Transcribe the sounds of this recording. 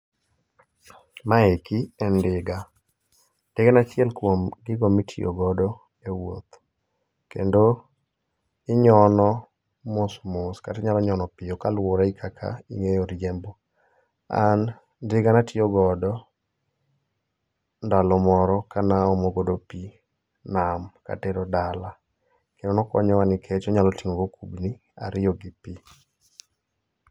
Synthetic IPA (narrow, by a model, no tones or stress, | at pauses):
maekiɛndɪɡa | ndɪɡanat͡ʃɪɛlkwomɡɪɡɔmitʰio̰ɡɔdɔ | ewo̰t̪ | kḛndo | ɪɲɔnɔ | mosmoskatɪɲalɔɲɔnɔpɪjokalwoɾaikʰakʰa̰ḭŋejoɾjɛmbo | a̰n | ndɪɡanatɪɔɡɔdɔ | ndalɔmɔɾɔkanaomoɡodopi | namka̰teɾɔdala | kendonɔkɔ̰ɲɔwanɪkʰet͡ʃɔɲalɔtiŋoɡokubni | a̰ɾɪjɔɡɪpi